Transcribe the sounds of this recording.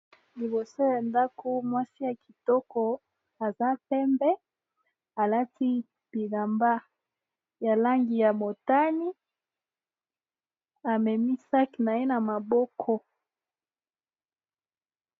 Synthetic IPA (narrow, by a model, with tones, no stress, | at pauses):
li˨bo˨so˦ja˨nda˦ko˦mwa˦si˦ja˨ki̥˨tɔ˦kɔ˦ | a˨za˦pɛ˦mbɛ˦ | a˨la˦tʰi˦ | b̥i˨la˨mba˦ | ja˨la˦ŋɡi˨ja˨mo˨ta˦ni˦ | a˨mɛ˨mi˦sa˦ki˨na˨je˦na˨ma˨bɔ˦kʰɔ˦